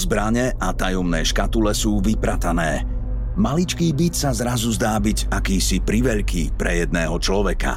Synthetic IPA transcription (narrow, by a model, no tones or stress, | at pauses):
zbɾaɲɛʔat̪ajɔmnɛːʃkat̪ulɛsuːʋipɾat̪anɛː | malit͡ʃkiːbit̪sazɾazuzd̪aːbiɟakiːsipɾiʋɛʎkipɾɛjɛd̪̚nɛːɦɔt͡ʃlɔʋɛka̰